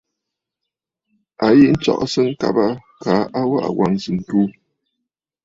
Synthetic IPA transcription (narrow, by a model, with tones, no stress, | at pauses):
a˨ji˦n̩˦t͡ʃɔ̰˨ʔsə˦ŋ̩˦ka̰˨ba˦ka˨˦ʔa˦wa˦ʔa̰˨wa˨ŋzɨ˨n̩˨tu˦